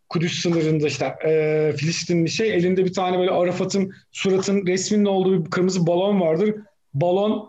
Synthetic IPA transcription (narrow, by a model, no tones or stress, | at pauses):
kʰud̪ysːɯnɯɾɯnd̪aiʃt̪ɛɛːfilʲiʃt̪inbiʃeje̞lʲind̪ɛbit̪ʰaːnɛbø̞ːlʲɛʔaɾafat̪ʰɯnsuɾat̪ʰɯnɾɛsminino̞lˠd̪uːbkʰɯɾmɯzɯbalˠo̞nvaɾd̪ɯɾ | balˠon